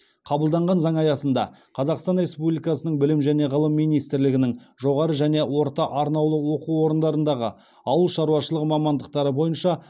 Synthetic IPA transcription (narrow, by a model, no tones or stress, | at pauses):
qʰɑbəlˠd̪ɑɴʁɑnzɑŋɑjɑsənd̪ɑ̰ | qʰɑzɑqst̪ɑnɾe̞spublijkɑsənəɴbɪlɪmʒæne̞ʁəlˠəmːijnijst̪ɪɾlɪɡʲɪnɪŋ | ʒo̞ʁɑɾəʒæne̞wo̞ɾt̪ɑʔɑɾnɑwlˠəwo̞quwo̞ɾənd̪ɑɾənd̪ɑʁə̰ | ɑwəlˠʃɑɾuɑʃəlˠəqmɑmɑnd̪əq̚t̪ɑɾəbo̞jənʃɑ